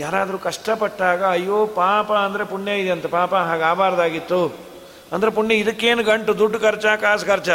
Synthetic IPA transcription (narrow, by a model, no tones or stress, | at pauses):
jaːɾaːd̪ɐɾukɐʂʈɐpɐʈːaːɡɐːjːoːpaːpɐɐnd̪ɐɾe̞puɳjeid̪eɐnt̪ɐpaːpɐɦaːɡaːbaːɾɐd̪aːɡit̪ːu | ɐnd̪ɐɾep̬uɳːjɐid̪ɐkːeːnuɡɐɳʈud̪uɖːkɐɾt͡ʃɐkaːskɐɾt͡ʃɐ